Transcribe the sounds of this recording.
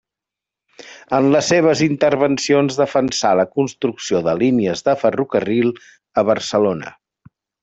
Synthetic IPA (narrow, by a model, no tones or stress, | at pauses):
ənləsːeβ̞əzint̪əɾβənsionzðəfənsaləkunst̪ɾuksioðəliniəzðəfərukərilˠ | əβəɾsəlonə̰